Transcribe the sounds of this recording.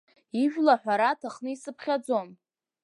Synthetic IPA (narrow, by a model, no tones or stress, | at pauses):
iʒᶣlaħʷᶣaɾatʰaχnɨisɨpʰχʲad͡zo̞n